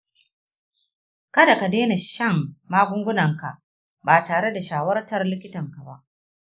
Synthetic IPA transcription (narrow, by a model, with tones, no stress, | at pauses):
kɐ˦da˨ka˨deː˦na˨ʃɐ˦˨ŋːaː˦ɡʷʊ˦ŋɡʷʊ˦nɐ˨ŋka˨ʔ | baː˨taː˨ɽe˦da˨ʃaː˨˦wɐ˦rtɐ˦rlɪ˦kʲɪ˦tɐ˨ŋka˨ba̰˦ʔ